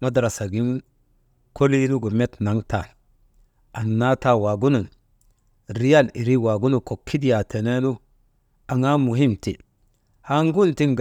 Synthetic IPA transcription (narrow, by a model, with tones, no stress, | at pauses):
ma˦dɾa˨sa˨ɡi˦n | ko˦li˦nu˦ɡo˨me˦tna˨ŋta˨ | a˨nːa˦ta˦wa˨ɡu˦nu˨n | ɾi˦ja˦˨li˨ɾi˦wa˨ɡu˦nu˨ko˨kʰːi˦di˦ja˨tʰe˨ne˦lu˦ | a˨ŋa˦mu˨ɦi˦mtḭ˨ | ha˨ŋɡu˦nti˦ŋɡ